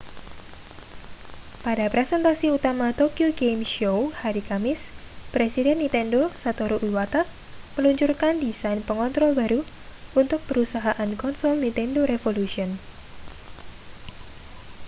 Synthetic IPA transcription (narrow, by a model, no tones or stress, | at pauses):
padapɾesɛnt̪asiut̪amat̪okjuɡejmʃowhaɾikamɪspɾesidɛnːĩnt̪ɛndosat̪oɾoʔiwat̪aʔ | məluɲt͡ʃʊrkandisajnpəŋɔnt̪ɾɔlbaɾu | unt̪ʊk̚pəɾusaɦaʔankɔnsɔlnint̪ɛndoɾefolusiɔn